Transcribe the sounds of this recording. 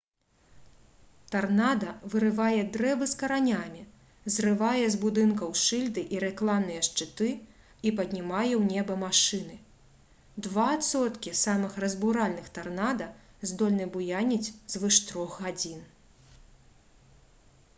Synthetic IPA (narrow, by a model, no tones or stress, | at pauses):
t̪arnad̪ɐvɨɾɨvajɛd̪ɾɛbɨskɐɾanʲamʲi | zrɨvajɛzbud̪ɨnkɐwʂɨlʲd̪ɨʔiɾɛklˠamnɨjɛʂt͡ʂɨt̪ɨ | ipɐd̪ʲnʲimajɛwnʲɛbɐmaʂɨnɨ | d̪vaːt̪sɔt̪kʲisamɨxrɐzbuɾalʲnɨxt̪arnad̪ɐzd̪ɔlʲnɨbujanʲit͡sʲzvɨʂt̪ɾɔxɣad͡zʲin